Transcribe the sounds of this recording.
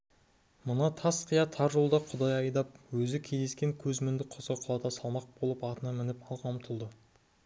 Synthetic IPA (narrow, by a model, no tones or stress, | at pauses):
mənɑt̪ʰɑsqʰəjɑt̪ʰɑɾʒolˠd̪ɑqʰʊd̪ɑjɑjd̪ɑp̚wɵzɪkʲʰe̞zd̪e̞skʲeŋkʲʰɵzmɪnd̪ɪqʰosəqʰʊlˠɑt̪ɑsɑlˠmɑq̚b̥o̞lˠəpɑt̪ənɑmɪnɪpɑlˠqʰɑmt̪ʰəlˠd̪ə